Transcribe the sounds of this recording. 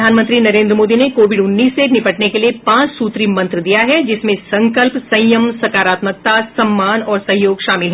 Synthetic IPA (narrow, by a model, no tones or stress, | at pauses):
aːnmə̃nt̪ɾinɐɾẽːnd̪ɾəmoːd̪inekoːʋɪɖʊnːiːsːenɪpəʈnekeliepãːt͡ʃsuːt̪ɾimɐ̃nt̪ɾəd̪ijaɦɛd͡ʒɪsmẽsɐ̃ŋkəlpsɐ̃jjəmsɐkaːɾaːt̪mək̚t̪asɐmːaːnɔːɾsɐ̃ɦjoːɡʃaːmɪlɦɛ